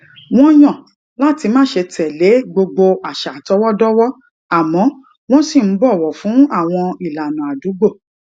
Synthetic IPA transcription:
w̃ɔ̃˦j̃ɔ̃˦˨ | la˦ti˧mãː˦ʃe˧tɛ˨le˨˦ɡ͡bo˧ɡ͡bo˧ʔa˨ʃa˨tɔ˨˦wɔ˦dɔ˦wɔ˦ | a˨mɔ̃˨˦ | w̃ɔ̃˦si˦˨m̩˨˦bɔ˦˨wɔ˨fũ˨˦a˦˨w̃ɔ̃˧i˨la˨nũ˨a˨du˨˦ɡ͡bo˦˨

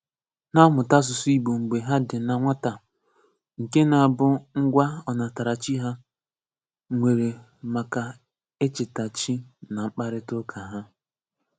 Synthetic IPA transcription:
na˦mʊ˨ta˦s̬ʊ˨su˦i˦bo˨ŋ͡m̩˨ɡ͡be˨ɦa˦dɪ˨na˨ŋʷa˦ta˨ | ŋ̩˨ke˦na˨a˨bʊ˦ŋ̩˦ɡʷa˦ɔ˨na˨ta˨ɾa˨t͡ʃi˦ɦa˦ | ŋʷe˨ɾe˨ | ma˨ka˨ | e˦t͡ʃɪ˨ta˨t͡ʃi˦na˨ŋ͡m̩˦k͡pa˦ɾɪ˦tʊ˦kʰa˨ɦa˦

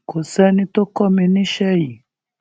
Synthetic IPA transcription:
kʰo˨sɛ˦nĩ˦to˦kɔ˦mi˧nĩ˦ʃɛ˦i˨

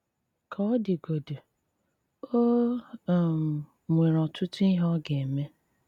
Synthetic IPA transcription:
kʰa˨ɔ˦dɪ˨ɡo˨du˨ | o˦˨ | mʷe˨ɾɔ˨tʊ˦tʊ˦i˦ɦɔ˦ɡe˨e˨me˦

